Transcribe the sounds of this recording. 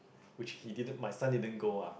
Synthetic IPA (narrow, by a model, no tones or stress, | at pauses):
wɪt͡ʃhididə̃nmajsãndidə̃nɡoa